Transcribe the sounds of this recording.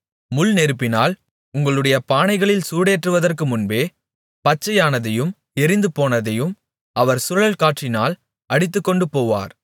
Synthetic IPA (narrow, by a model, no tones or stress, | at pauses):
mʊlnɛɾɯpːɪnaːl | ʊŋɡɐɭɯɽɐjɐpaːnɐɪɣɐɭɪlsuːɽeːʈrɯʋɐðɐrkɯmʊnbeː | pɐt͡ʃːɐjaːnɐðɐjɯm | ɛɾɪnd̪ɯpoːnɐðɐjɯm | ɐʋɐɾsʊɾɐɭɐlkaːʈt͡ʃɪnaːl | ʔɐɽɪt̪̬ːɯkːɔɳɖɯpoːʋa̰ːɾ